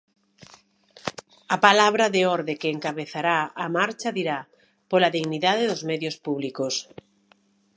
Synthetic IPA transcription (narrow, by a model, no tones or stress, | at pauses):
apalaβɾaðeɔɾðekeːŋkaβeθaɾaamaɾt͡ʃaðiɾa | polaðiɣniðaðeðozmɛðjospuβlikos